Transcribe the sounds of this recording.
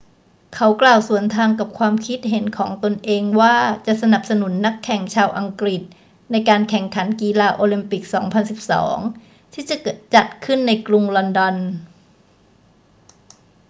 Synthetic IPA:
kʰa˦˥wklaː˨˩wsu˩˦ənt̪ʰaː˧ŋka˨˩p̚kʰwaː˧mkʰi˦˥t̪̚ɦe˩˦nkʰɔː˩˦ŋt̪o˧nʔeː˧ŋwaː˥˩t͡ɕa˨˩ʔsa˧na˨˩p̚sa˧nu˨˩˦nːa˦˥kʰːɛ˨˩ŋt͡ɕʰaː˧wʔa˧ŋkɾi˨˩t̪̚ | na˧jkaː˧nkʰɛ˨˩ŋkʰa˩˦nkiː˧laː˧ʔoː˧li˧mpi˨˩k̚sɔː˩˦ŋpʰa˧nsi˨˩p̚sɔ̰ː˩˦ŋ | t̪ʰiː˥˩t͡ɕa˨˩ʔkɤː˨˩t̪̚t͡ɕa˨˩t̪̚kʰɯ˥˩nːa˧jkɾu˧ŋlɔ˧ndɔ˧n

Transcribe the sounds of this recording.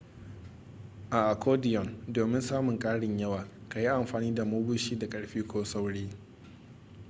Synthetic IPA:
ʔa˨ʔa˨kʰoː˦dɪ˨jɔ˨ndoː˨mɪ˦nsaː˦mʊ˨ŋkʼaː˦ɽɪ˨ɲjɐ˦waː˨ka˨ji˦ʔa˨mɸaː˨niː˦da˨mʊː˦bʊ˦ʃiː˦da˨kʼɐ˦ɽɸiː˦kʰʷoː˦sa˦wɽeː˦

